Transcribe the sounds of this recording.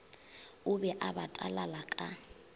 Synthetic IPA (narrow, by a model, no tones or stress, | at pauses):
ʊbɛʔabatʼalalakʼa